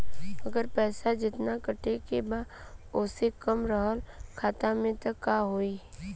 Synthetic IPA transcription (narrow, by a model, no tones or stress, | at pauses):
əɡəɾpɛːsad͡ʒɪt̪nakəʈekebaːoːsekəmɾəɦəlkʰaːt̪amẽt̪ɐkːaɦoːiː